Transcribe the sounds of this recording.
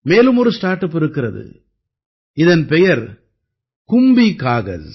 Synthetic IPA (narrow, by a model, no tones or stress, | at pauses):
meːlɯmɔɾɯsʈaːɾʈːɐp̬ːɪɾɯkːɪɾɐðɯ̰ | ɪðɐnpɛjɐɾ | kʊmbikaːɣɐ̰l